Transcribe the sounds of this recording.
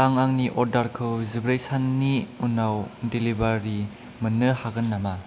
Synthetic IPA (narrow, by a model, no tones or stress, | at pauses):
aŋaŋniʔɔɾdaɾkʰɯwzibɾejsanːiunawdelibaɾi | mənɯhaɡɯnːama